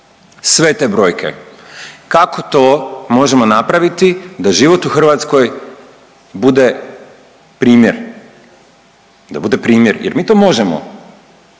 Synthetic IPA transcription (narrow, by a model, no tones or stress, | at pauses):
sʋe̞t̪ebɾo̞ːjkʰe̞̰ | kakot̪o̞ːmo̞ʒemo̞napɾaʋit̪id̪aʒiʋo̞t̪uxr̩ʋat̪sko̞j | bud̪e̞ | pɾiːmjḛɾ | d̪a̰bud̪e̞pɾiːmjeɾjeɾmiːt̪o̞mo̞ʒemo̰